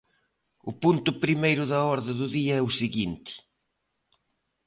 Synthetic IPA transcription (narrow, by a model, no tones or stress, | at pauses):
ʊpunt̪ʊpɾimejɾʊðɐɔɾðɪðʊðiɐɛʊsiɣint̪ɪ̥